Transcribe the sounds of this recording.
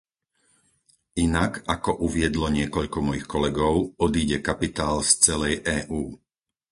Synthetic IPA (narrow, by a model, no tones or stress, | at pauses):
ʔinakakɔʔuʋɪɛd̪lɔɲɪɛkɔʎkɔmɔjixkɔlɛɡɔʊɔd̪iːɟɛkapit̪aːlst͡sɛlɛjʔɛːʔuː